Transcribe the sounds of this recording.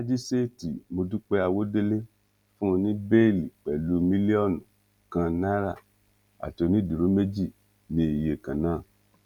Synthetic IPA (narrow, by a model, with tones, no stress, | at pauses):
la˦d͡ʒi˦se˦˨tḭ˨mo˧du˦k͡pe˦a˧wo˦de˦le˦ | fũ˦˧nĩ˦be˦˨li˨k͡pɛ˨lu˨˦mĩ˦li˦ɔ˦˨nũ˨ | kã˧nã˦ɾa̰˦˨ | a̰˨ti˧˦o˧nĩ˦du˨ɾu˨˦me˦d͡ʒi˦˨ | nĩ˦i˨je˨kã˨nãː˦˨